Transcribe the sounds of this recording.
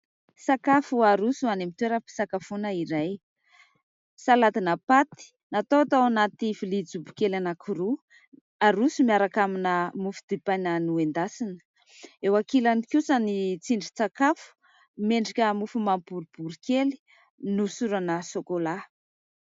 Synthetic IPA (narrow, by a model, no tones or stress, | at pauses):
sakafuaɾusuanemit̪weɾəpi̥sakafunəiɾaj | salat̪inapat̪i̥ | nat̪owat̪awanat̪ifilid͡zubu̥kelanakʰuɾu | aɾusumiaɾakaminəmufu̥d̪ipajnanuend̪asinə̥ | ewakilanikʲusanit͡siɳɖ͡ʐit͡sakafu̥ | meɳɖ͡ʐikʲəmufumampuɾub̥uɾikeli̥ | nusuɾanəsokola